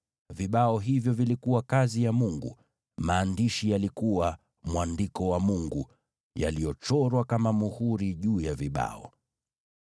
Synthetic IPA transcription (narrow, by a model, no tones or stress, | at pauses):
viɓaɔɦivjɔvilikuwakazijamuŋɡṵ | maːndiʃijalikuwa | mwandikɔwamuŋɡu | ja̰lijɔt͡ʃɔɾwakamamuhuɾiʄuːjaviɓa̰ɔ